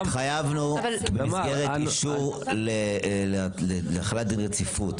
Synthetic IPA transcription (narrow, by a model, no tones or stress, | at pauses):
χajavnubemizɡeʁeiʃuʁlellelaχalat̚dinʁet͡sifut